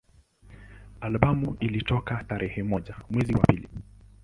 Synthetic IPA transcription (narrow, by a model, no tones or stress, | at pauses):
alɓamuʔilitɔkataɾʔɛhɛmɔʄamwɛziwapilḭ